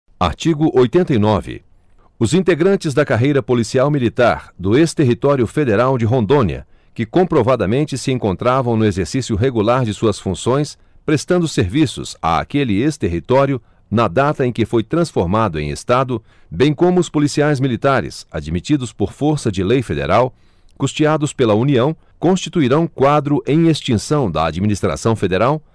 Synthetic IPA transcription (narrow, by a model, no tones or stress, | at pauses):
a̰ɾt͡ʃiɡʊʔojt̪ẽnt̪ɐinɔvɪ̰ | ʊzĩnt̪eɡɾɐ̃nt͡ʃɪzd̪ɐkaɦejɾɐpolisiawmilit̪aɾd̪ʊest̪eɦit̪ɔɾjʊfed̪eɾawd͡ʒɪɦõnd̪õniɐ̰ | kɪkõpɾovad̪ɐmẽnt͡ʃɪsɪẽŋkõnt̪ɾavɐ̃w̃nʊezeɾsisjʊɦeɡulaɾd͡ʒɪsuɐsfũsõj̃s | pɾest̪ɐ̃nd̪ʊseɾvisʊ̰sa̰a̰kelɪest̪eɦit̪ɔɾjʊ | nɐd̪at̪ɐẽj̃kɪfojt̪ɾɐ̃sfoɾmad̪ʊẽj̃ḛst̪ad̪ʊ | bẽj̃kõmʊʊspolisiajzmilit̪aɾɪ̰sa̰d͡ʒmit͡ʃid̪ʊspoɾfoɾsɐd͡ʒɪlejfed̪ḛɾaw | kust͡ʃiad̪ʊspelɐuniɐ̃w̃ | kõst͡ʃit̪uiɾɐ̃w̃kwad̪ɾʊʔẽj̃est͡ʃĩsɐ̃w̃d̪ɐ̰a̰d͡ʒminist̪ɾa̰sɐ̃w̃fed̪eɾaw